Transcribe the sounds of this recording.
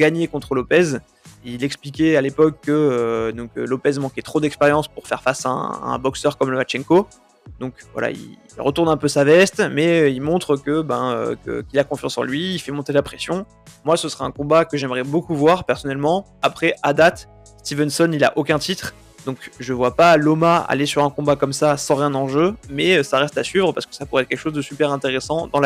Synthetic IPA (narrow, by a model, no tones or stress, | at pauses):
ɡaɲekɔ̃t̪χəlopɛz | iilɛksplikʲɛalepɔkːəød̪ɔ̃klopɛzmɑ̃kʲɛt̪χod̪ɛkspeʁjɑ̃spuʁfɛʁfasaɛ̰̃ɛ̰̃bɔksœʁkɔmləmat͡ʃɛ̃ŋko | d̪ɔ̃kvwa̰la̰ḭl | lʁət̪uʁnɛ̃pøsavɛst̪mɛilmɔ̃t̪χəkəbɛ̃ø̰kə̰kʲilakɔ̃fjɑ̃sɑ̰̃lɥiilfɛmɔ̃t̪elapχɛsjɔ̃ | mwasəsə̥ʁaɛ̃kɔ̃bakəʒɛmʁɛbokuvwaʁpɛʁsɔnɛlmɑ̃apχɛʔad̪at̪ | st̪ivɛnsɔnila̰ʔokɛ̃t̪it̪χ | d̪ɔ̃kʒəvwapalɔmaa̰lesyʁɛ̃kɔ̃bakɔmsasɑ̃ʁjɛ̃nɑ̃ʒømɛøsaʁɛst̪asɥivʁəpaʁsə̥kə̥sapuʁɛt̪χkɛlkəʃozd̪əsypɛʁɛ̃t̪eʁesɑ̃d̪ɑ̃la